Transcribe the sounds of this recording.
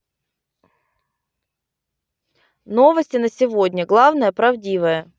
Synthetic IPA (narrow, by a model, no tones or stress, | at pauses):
no̞vəsʲtʲɪnəsʲɪvo̞dʲnʲəɡlˠavnəjəpɾɐvdʲivəjə